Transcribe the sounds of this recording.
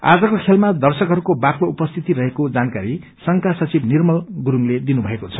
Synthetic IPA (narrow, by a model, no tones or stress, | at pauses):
a̰d͡zʌkokʰelmad̪ʌrsʌkɦʌɾukobakloupʌst̪ʰit̪iɾʌɦekod͡zankaɾi | sʌŋkasʌt͡sibnirmʌlɡuɾuŋled̪inubʱʌekot͡sʰʌ̥